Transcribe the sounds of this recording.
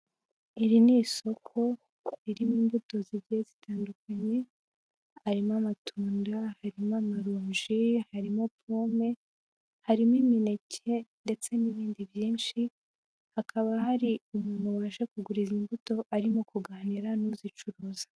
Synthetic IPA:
iɾiniso̞kʰo̞ | iɾimiːmbuto̞ziβɟiezitʰaːndukaɲe̞ | haɾimamatʰuːndahaɾimamaɾuːɲʒihaɾimo̞pʰoːme̞ | haɾimimine̞cʰe̞nde̞t͡se̞niβiːndiβjiːnʃi | hakʰaβaɦaɾiumuːnuβaːʃe̞kuɡuɾizimbuto̞ʔaɾimokuɡaːniɾanuzit͡ʃuɾuːzḁ

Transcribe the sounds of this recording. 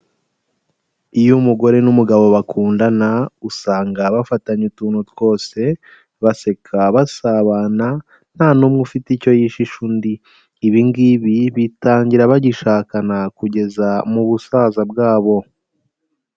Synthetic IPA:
ijumuɡo̞ɾe̞numuɡaβo̞βakʰuːndanausaːŋɡaβafataɲutuːnhutwo̞ːse̞ | βase̞kʰaβasaβaːna | n̥haːnuːmŋufitico̞jiʃiʃundiː | βiŋɡiβiβitaːɲɟiɾaβaɟiʃaːkanakuɟe̞zamuβusaːzabɡaːβo̞

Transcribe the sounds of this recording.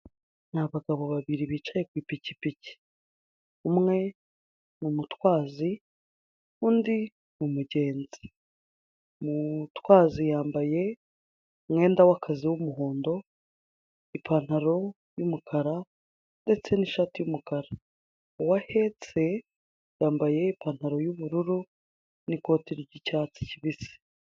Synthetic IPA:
naβaɡaβo̞βaβiɾiβiːt͡ʃaje̞kwiːpicipici̥ | umŋe̞ | numutwaːzi | undi | numuɟe̞ːnzi̥ | mutwaːzijaːmbaje̞ | mŋe̞ːndawakʰaziwumuɦo̞ːndo̞ | ipʰan̥haɾo̞ | jumukʰaɾa | nde̞t͡se̞niʃatijumukaɾa | wahe̞t͡se̞ | jaːmbaje̞ipan̥haɾo̞juβuɾuɾu | niko̞ːtiɾiɟicaːt͡si̥ciβisi̥

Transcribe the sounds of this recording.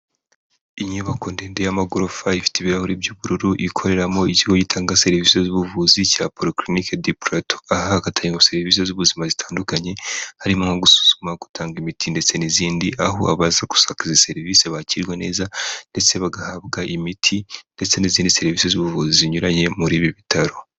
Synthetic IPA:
iɲuβako̞ndeːndejamaɡuɾofaifi̥tiβiɾahuɾibjuβuɾuɾuʔikʰo̞ɾe̞ɾamo̞iciɡoɟitʰaːŋɡase̞ɾivise̞zuβuvuzicapoɾiklinikedipɾato̥ahahaɡatʰaɲeŋose̞ɾiviːs̬e̞zuβuzimazitʰaːndukaɲe̞haɾimoŋhoɡusu̥z̥umaɡu̥tʰaːŋɡimitʰinde̞t͡se̞niziːndiʔaɦo̰aβazaku̥sakizise̞ɾiviseβaciɾɡwene̞ːzande̞t͡se̞βaɡahaβɡaʔimitʰinde̞t͡se̞niziːndise̞ɾviːsezuβuvuziziɲuɾaɲe̞muɾiːβiβitʰaɾo̞

